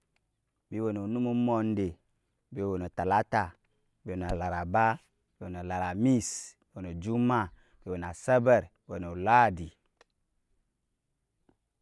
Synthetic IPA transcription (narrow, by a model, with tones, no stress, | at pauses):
bi˦wo˨no˨nu˦mu˦mo˨nde˨ | bi˦wo˨no˨ta˨la˦ta˨ | bi˦wo˨n˨a˨la˨ɾa˨ba˦ | bi˦wo˨n˨o˨la˨ɾa˨mi˦s | wo˨no˨d͡ʒu˦ma˦˨ | bi˦wo˨n˨a˨sɛ˦bɛ˦˨ɾwo˨no˨la˦˨di˨